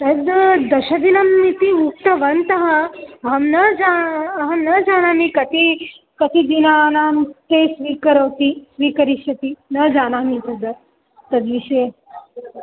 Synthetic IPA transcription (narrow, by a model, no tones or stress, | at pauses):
t̪ɐd̪d̪ɐʃɐd̪inɐmːit̪imuk̚t̪ɐʋɐnt̪ɐɦɐɐɦɐmnɐd͡ʒaɐɦɐmnɐd͡ʒaːnaːmikɐt̪i | kɐt̪id̪inaːnaːmt̪eːsʋiːkɐɾɐwt̪isʋiːkɐɾiʃɐt̪inɐd͡ʒaːnaːmit̪ɐd̪ɐɾ | t̪ɐd̪ʋiʃɐje